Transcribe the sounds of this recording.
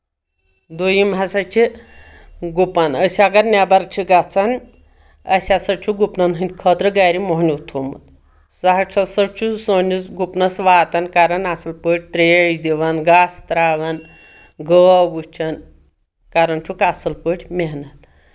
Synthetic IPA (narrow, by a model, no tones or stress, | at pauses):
d̪ujimʱasat͡ʃʰi | ɡupanəsiaɡaɾnʲabaɾt͡ʃʰiɡat͡san | a̰sʲasɐt͡ʃʰuɡupnanɦənʲt̪ʲkʰət̪ɾəɡaɾimoɦnʲit̪ʰomṵt̪ | saɦat͡sʰɐsət͡ʃʰusonusɡupnɐsʋaːt̪ankaɾɐnasɐlpəʈʲt̪ɾejd̪iʋanɡast̪ɾaʋan | ɡəbut͡ʃʰan | kaɾɐnt͡ʃʰukasɐlpəʈʲmeɦnɐt̪